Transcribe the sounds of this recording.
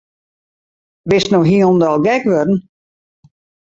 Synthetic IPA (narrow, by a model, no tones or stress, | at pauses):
bɪsnoɦiondɔlˠɡɛkʋødn̩